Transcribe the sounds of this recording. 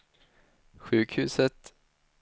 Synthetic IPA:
ɧʉ̟ːkhʉ̟ːsət̪

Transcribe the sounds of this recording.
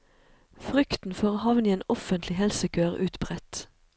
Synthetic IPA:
fʁʏkt̪n̩føːʁhɑʋniːeːnɔfənt̪lɪhɛlsəkʰøːʁʉːt̪bʁɛt̪

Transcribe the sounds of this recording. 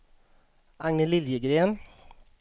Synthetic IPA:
ɑŋnəlɪljəɡɾeːən

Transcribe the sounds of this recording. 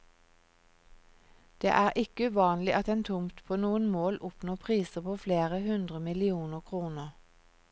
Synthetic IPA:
d̪̥ḛːʔæːʁʔɪkəʉːʋɑːnlɪʔɑt̪eːnt̪ʰʊmt̪pʰoːnuːənmoːlʔʊpnoːpʰʁiːsəpʰoːfleːʁəhʉnd̪ʁəmɪlɪuːnəʁkʰʁuːnəʁ

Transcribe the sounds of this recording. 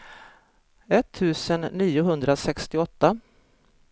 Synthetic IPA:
ɛt̪ʰːʉ̟ːsənːiːʊɦɵnd̪ɾasɛkst̪ɪɔt̪ːa

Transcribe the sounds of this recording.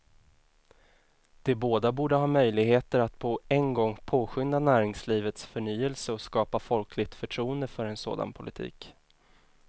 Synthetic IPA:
d̪̥ɛboːd̪abuːɖəɦɑːmœjlɪɡheːt̪əɾat̪pʰɔɛnɡɔŋːpʰoːɧʏnd̪anæːɾɪŋsliːvət̪sfœɳyːəlsəɔskɑːpafɔlkʰlɪɡ̚t̪fœʈʰɾuːənd̪əfœɾɛnso̰ːd̪a̰npʰʊlɪt̪ʰḭːk

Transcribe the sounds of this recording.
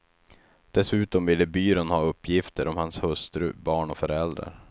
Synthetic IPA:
d̪̥ɛsʉ̟ːt̪ɔmvɪlːəbyːɾənhɑːɵpːjɪft̪ʰəɾʔɔmhanshɵst̪ɾɵ̰bɑːɳɔfœɾɛld̪ɾa̰ɾ

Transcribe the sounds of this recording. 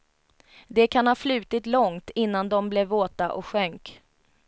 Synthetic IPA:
d̪ɛkʰanhɑːflʉ̟ːt̪ɪt̪lɔŋt̪ɪnːand̪ɔmblɛvoːt̪aʔɔkɧœŋk

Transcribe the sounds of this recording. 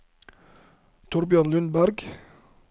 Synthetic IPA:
t̪ʰʊɾbʏɑnlʉnbæɾɡ

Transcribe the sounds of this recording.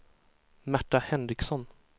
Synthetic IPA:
mæʈːahɛnɾɪksɔn

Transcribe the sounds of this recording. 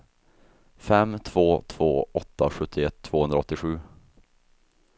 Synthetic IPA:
fɛmːt̪ʰv̥oːt̪ʰv̥oːɔt̪ːaɧɵt̪ʰːɪɛt̪ʰːv̥oːhɵnd̪ɾaɔt̪ːɪɧʉ̟ː

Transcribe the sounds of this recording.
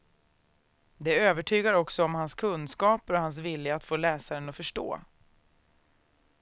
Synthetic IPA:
d̪ɛøːvəʈʰyːɡaɾɔksɔɔmhanskʰɵnskɑːpɾɔhans̬vɪljaat̪foːlɛːsaɾənɔfœʂʈo̰ː

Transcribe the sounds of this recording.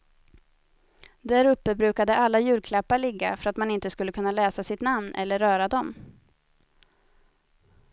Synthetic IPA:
d̪æɾɵpːəbɾʉ̟ːkad̪əʔalːajʉ̟ːlkʰlapːaɭɪɡːa̰fœɾat̪manɪnt̪əskɵlːəkʰɵnːalɛːsasɪt̪namnʔɛ̰lːəɾːœːɾad̪ɔm

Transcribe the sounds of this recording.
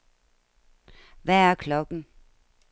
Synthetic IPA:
ʋææɐkʰlɒ̽ɡ̥n̩

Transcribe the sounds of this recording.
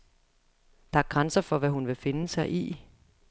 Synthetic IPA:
d̥ɑ̈æɐɡ̥ʁansɐfɒ̽ʋæɦunʋe̝fe̝nəsɑ̈ɪʔi

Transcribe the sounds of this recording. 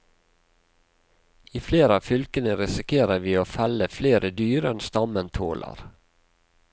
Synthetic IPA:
iːfleːɾəɑːfʏlkənəɾɪsɪkʰeːɾəʋiːoːfæləfleːɾʔəd̪yːɾəɛnst̪ɑmənt̪ʰo̰ːlʔɑ̰ɾ

